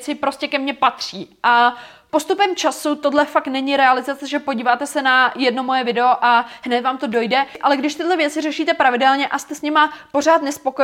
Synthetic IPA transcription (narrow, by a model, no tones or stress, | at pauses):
t͡sɪpɾo̞scɛkɛmɲɛpat̪r̥iːʔa | po̞st̪upɛmt͡ʃasut̪o̞dlɛfaktnɛɲɪɾɛalɪzat͡sɛʒɛpo̞ɟiːvaːt̪ɛsɛnajɛdno̞mo̞jɛvɪdɛoʔaɦnɛt̪vaːmt̪o̞do̞jdɛʔalɛɡdɪʃt̪ɪdlɛvjɛt͡sɪrɛʃiːt̪ɛpɾavɪdɛlɲɛʔast̪ɛsɲɪmapo̞r̝aːt̪nɛspo̞ko